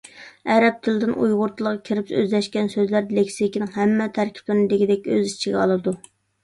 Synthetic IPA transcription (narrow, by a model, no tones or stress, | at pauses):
ɛɾɛp̚t̪ʰɪlɪd̪ɪnujʁʊɾt̪ʰɨlˠəʁɑkʲʰiɾɪpø̰zlɛʃkʲɛnsøzlæɾlekʲsikʲinɪŋɦæmːɛt̪ʰæɾkʲʰi̥p̚lɪɾnɪd̪ɪɡʲid̪ɛkʲøzit͡ʃʰiɡʲɛɑlˠɨd̪u